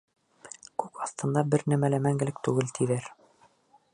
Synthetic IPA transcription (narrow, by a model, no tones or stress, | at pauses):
kʉkɑθt̪ɤ̆nd̪ɑbɘɾnæmælæmæŋɡɘ̆lɘk̚t̪ʉɡɘlt̪ʰiðæɾ